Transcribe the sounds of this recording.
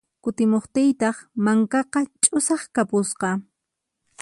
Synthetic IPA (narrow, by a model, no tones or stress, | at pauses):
kʊt̪ɪmoχt̪ɪjt̪ɑχmaŋkɑqɑt͡ʃʼʊsɑχkapʊsqɑ